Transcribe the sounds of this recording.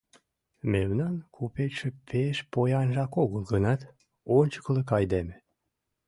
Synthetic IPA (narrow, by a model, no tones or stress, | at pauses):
mewnɑnkʰopet͡ʃʃĕpʰeʃpojɑnʒɑkoɣəlɡənɑt̪ | onʲt͡ɕə̥kləkɑjd̪eme